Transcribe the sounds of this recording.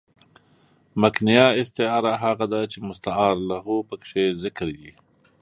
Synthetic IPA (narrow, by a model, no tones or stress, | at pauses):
maknijaɪst̪ɪɑːɾaɦaɣad̪at͡ʃemʊst̪aɑːɾlaɦopəkʂezɪkɾji